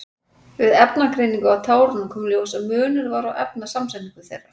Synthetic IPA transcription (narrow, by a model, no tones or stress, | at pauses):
vɪðɛpnakʰɾejnĩŋkʏawt̪ʰaːwɾʏnʏmkʰɔːmlwsaðmʏːnʏɾvaɾawʔɛp̚nasamsɛniŋkʏθejrːḁ